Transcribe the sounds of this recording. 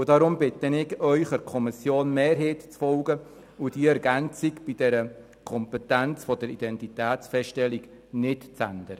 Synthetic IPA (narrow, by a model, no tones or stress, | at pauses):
ʊd̥ɑɾʊmbɪtːənɪkœʏχəɾkʰɔmɪsjoːnmeːɾɦeːtt͡sfɔlɡə | ud̥iəɛɾɡænt͡sikb̥id̥ɛɾə | kʰɔmpɛtænt͡sfɔdəɾidɛntitæːtsfɛstɛliɡ | nɪtt͡sændəɾə